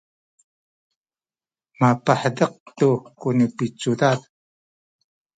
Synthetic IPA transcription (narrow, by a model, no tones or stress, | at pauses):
mapaħdəq̚t̪ukunəpit͡sudat